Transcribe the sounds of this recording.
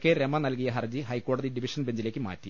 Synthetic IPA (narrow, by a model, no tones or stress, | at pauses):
kːeɾemːɐnɐlkijɐɦɐrd͡ʑiɦɐjkːo̞ːɽɐðiɖiʋiʂɐnbe̞ɲd͡ʑile̞ːkʲːɨma̰ːtːi